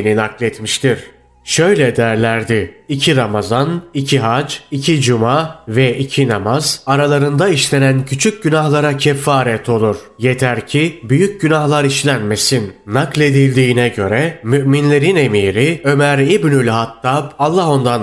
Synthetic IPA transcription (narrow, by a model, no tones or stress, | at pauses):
ninaklʲɛt̪miʃt̪ʰiɾ̥ | ʃø̞jlʲɛd̪æɾlʲæɾd̪ɪicʰiɾamazanicʰiɦad͡ʒicʰid͡ʒumavɛʔicʰinamazaɾalˠaɾɯnd̪aiʃlʲe̞næncʰyt͡ʃʰyc̚ɟynahlˠaɾacʰɛfːaːɾɛt̪ʰo̞lˠuɾ̥je̞t̪ʰæɾcʰibyjyc̚ɟynahlˠaɾiʃlʲænme̞sinːaklʲe̞d̪ilʲd̪iːnɛɟø̞ɾɛmyʔminlʲe̞ɾine̞miːɾiø̞mæɾibnylʲhat̪ʰːabalˠːaɦo̞nd̪an